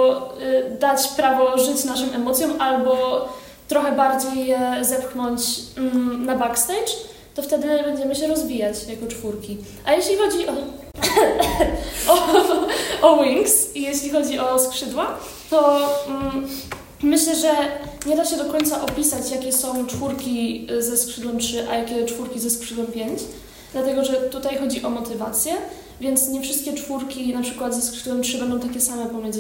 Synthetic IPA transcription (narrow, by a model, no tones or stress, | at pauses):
d̪at͡ɕpɾavɔʐɘt͡ɕnaʂɨmɛmɔt̪sʲjɔ̃malbɔ | t̪ɾɔxɛbaɾd͡ʑejːɛzɛpknɔɲt͡ɕ | nabakst̪ɛjt͡ʂ | t̪ɔft̪ɛd̪ɘbɛɲd͡ʑɛmɘɕɛɾɔzvʲijat͡ɕjakɔt͡ʂfuɾkʲi | ʔajɛɕlʲixɔd͡ʑiʔɔ | ɔ | ɔwiŋksijɛɕlʲixɔd͡ʑiʔɔskʂɘd̪wa | t̪ɔ | mɘɕlɛʐɛɲɛd̪aɕɛd̪ɔkɔɲʲt̪saʔɔpʲisat͡ɕjakʲɛsɔ̃w̃t͡ʂfuɾkʲizɛskʂɘd̪wɛmtʂɘʔa̰jakʲɛt͡ʂfuɾkʲizɛskʂɘd̪wɛmpʲjeɲt͡ɕ | d̪lat̪ɛɡɔʐɛt̪ut̪ajxɔd͡ʑiʔɔmɔt̪ɘva̰t̪sʲjɛ | vʲjɛnt̪sɲɛfʂɘst̪kʲɛt͡ʂfuɾkʲinapʂɘkwad̪zɛskʂɘd̪wɛmtʂɘbɛnd̪ɔ̃w̃t̪akʲɛsamɛpɔmʲjɛnz